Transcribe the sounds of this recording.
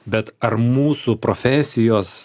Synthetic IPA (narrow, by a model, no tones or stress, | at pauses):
bʲɛt̪ɐɾmuːsupɾoːfʲɛsʲɪjoːs